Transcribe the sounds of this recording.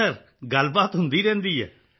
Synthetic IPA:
ɐɾ | ɡalbat̪ɦund̪iɾɛnd̪ijə̰

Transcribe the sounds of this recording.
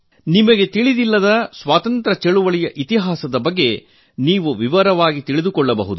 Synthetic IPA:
nimɐɡe̞t̪iɭid̪ilːɐd̪ɐsʋaːt̪ɐnt̪ɾɐt͡ʃeɭuʋɐɭijɐʔit̪iɦaːsɐd̪ɐbɐɡːe̞ | niːʋuʋiʋɐɾɐʋaːɡit̪iɭid̪ukɔɭːɐbɐ̰ɦud̪u

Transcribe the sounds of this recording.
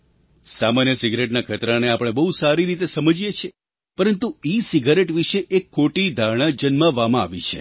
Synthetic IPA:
samanjəsiɡɾeʈnakʰət̪ɾaneapəɽ̃ebəɦusaɾiɾit̪esəməd͡ʒijet͡ʃʰe | pəɾənt̪uisiɡaɾeʈʋiʃeʔekʰːoʈid̪ʱaɾɳ̃ad͡ʒənmãʋamãa̰ʋḭt͡ʃʰḛ

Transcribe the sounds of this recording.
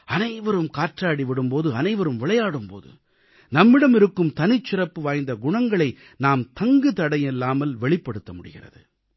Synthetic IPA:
ɐnɐɪʋɐɾɯmkaːʈraːɽiʋɪɽɯmpoːðɯɐnɐɪʋɐɾɯmʋɪɭɐjaːɽɯmpo̰ːðɯ̰ | nɐmːɪɽɐmɪɾɯkːɯmt̪ɐnɪt͡ʃːɪrɐpːɯʋaːjnd̪ɐɡʊɳɐŋɡɐɭɐɪ | naːmt̪ɐŋɡɯt̪ɐɽɐjɛlːaːmɐlʋɛɭɪpːɐɽɯt̪ːɐmʊɽɪ̰ɣɪ̰rɐ̰ðɯ̰

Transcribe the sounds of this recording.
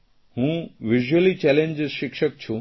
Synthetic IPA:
hũːʋɪʒuəlit͡ɕɛlẽɲd͡ʑzʃɪkʃək̚t͡ɕʰu

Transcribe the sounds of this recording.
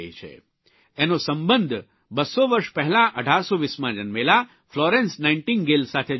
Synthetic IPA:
it͡ʃʰḛ | enosə̃mbənd̪ʱ | bəsoʋəɾʃpəɦɛlãʔəɖʱaɾsoʋismãd͡ʒənmela | flɔɾẽnsnaiɳʈinɡelsat̪ʰe

